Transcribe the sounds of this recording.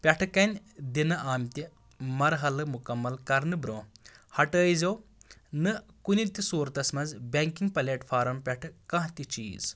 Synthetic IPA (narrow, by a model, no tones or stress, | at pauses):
pʲɐʈʰɨkɐnʲd̪inɐʔaːmt̪ʲi | mɐɾɦɐlɨmukɐmːɐlkɐɾnɨbɾoːhɐʈəːjzɐwnɨkunit̪isuːɾt̪ɐsmɐzbʲɐŋkiŋɡ̚pɐleʈfʰaːɾɐmpʲɐʈʰɨkɐ̃ɦt̪it͡ʃḭːz̥